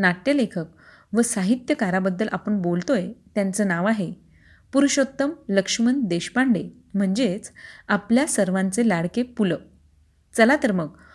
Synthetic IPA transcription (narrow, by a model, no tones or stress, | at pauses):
naʈ̪jəlekʰək̚ | ʋəsaɦit̪jəkaɾabəd̪ːəlʔapəɳbolt̪ojet̪jant͡səːnaʋaɦe | puɾuɕot̪ːəmləkʂmənd̪eɕpaɳɖe | m̤əɳd͡zet͡sapljasəɾʋãnt͡selaɽkepulə | t͡səlat̪əɾmək̚